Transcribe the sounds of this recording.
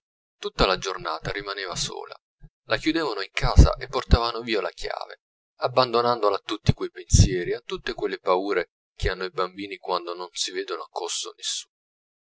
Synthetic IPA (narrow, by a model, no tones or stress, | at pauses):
t̪ut̪ːalad͡ʒornaːt̪aɾimaneːvaso̰ːla̰ | lʔakjud̪eːvanoiŋkaːza̰ʔepːort̪aːvanoviːola̰kja̰ːvḛ | abːand̪onand̪olat̪ːut̪ːikwejpensjɛːɾiat̪ːut̪ːekwelːepauːɾe | kʰeanːoibambiːnikwand̪ononsiveːd̪onoakʰːoso̰nesːuːn